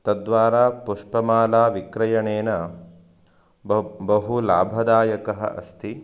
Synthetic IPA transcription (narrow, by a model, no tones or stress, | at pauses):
t̪ɐd̪ʋaːɾaːpuʂpɐmaːlaːʋikɾɐjɐɳeːnɐ | bɐɦulaːbʱɐd̪aːjɐkɐɦɐ̰ʔɐ̰st̪ʰi